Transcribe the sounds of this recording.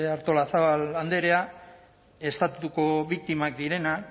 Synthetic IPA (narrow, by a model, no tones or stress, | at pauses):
aɾt̪o̞laθaaland̪e̞ɾe̞a | e̞st̪at̪ut̪uko̞βik̚t̪imak̚d̪iɾe̞nak